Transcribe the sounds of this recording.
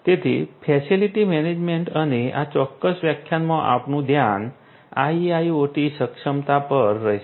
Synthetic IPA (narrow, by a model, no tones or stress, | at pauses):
t̪et̪ʰḭfʰɛsiliʈimɛned͡ʒmeɳʈəneat͡ʃɔkːəsʋjəkʰːjanmãʔa̰pnũd̪ʱjan | aiaioʈisəkʃəmt̪apəɾːəɦeʃ